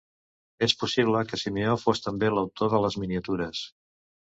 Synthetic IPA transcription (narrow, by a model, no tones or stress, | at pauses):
espusiβləkəsimiofost̪əmbeləwt̪oðələzminiət̪uɾəs